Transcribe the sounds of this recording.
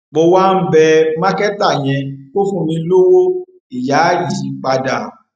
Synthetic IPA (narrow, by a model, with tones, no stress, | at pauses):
bo˧wa˦n̩˦bɛ˧mã˦kɛ˦ta˦˨j̃ɛ̃˧ko˦fũ˦˨mĩ˧lo˦wo˦ | i˨ja˨˦ji˨˦k͡pa˧da˨